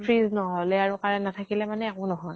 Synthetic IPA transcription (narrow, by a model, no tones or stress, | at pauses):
pʰɹiznɔɦɔlɛaɹukaɹɛnatʰakilɛmanɛakʊ̃nɔɦɔj